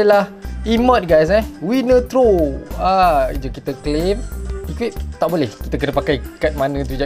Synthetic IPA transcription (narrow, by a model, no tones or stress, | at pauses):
əlahimət̪̚ɡajs̬ɛwinət̪ɾoaid͡ʒəkit̪əklemikwip̚t̪aʔbolɛhki̥t̪əkənəpakajkat̪̚manə̃t̪ud͡ʒa